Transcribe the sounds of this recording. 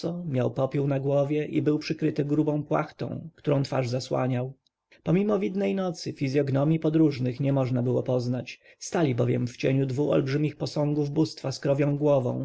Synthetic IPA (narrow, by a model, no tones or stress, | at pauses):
ɔmʲjawpɔpʲuwnaɡwɔvʲjɛʔḭbɘwpʂɘkɾɘt̪ɘɡɾubɔ̃w̃pwa̰xt̪ɔ̰̃w̃kt̪uɾɔ̃w̃t̪fa̰ʐzaswa̰ɲaw | pɔmʲimɔvʲid̪nɛjnɔt̪sɘfʲizʲjɔɡnɔmʲjipɔd̪ɾuʐnɘxɲɛmɔʐnabɘwɔpɔznat͡ɕ | st̪alʲibɔvʲjɛ̰mft͡ɕeɲud̪vuʔɔ̰lbʐɘmʲixpɔsɔ̃ŋɡuvbust̪faskɾɔvʲjɔ̃w̃ɡwɔvɔ̰̃w̃